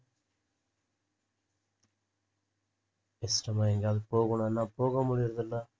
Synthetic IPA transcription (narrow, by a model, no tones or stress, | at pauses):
ɛsʈɐmaːɛŋɡaːðpoːɣuɳɐnːaːpoːɣɐmʊɽɪjɪɾɐðɐlːɐ